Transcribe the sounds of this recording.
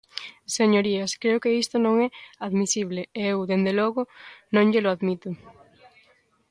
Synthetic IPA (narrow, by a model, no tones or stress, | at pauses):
seɲoɾiaskɾeokeist̪onõŋɛaðmisiβ̞leewðend̪eloɣʊnõŋʎeloaðmit̪ʊ